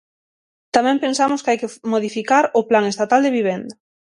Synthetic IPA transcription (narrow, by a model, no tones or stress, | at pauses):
t̪amɛ̃mpensamʊskajkemoðifikaɾʊplaŋest̪at̪ald̪eβiβ̞ɛnd̪ɐ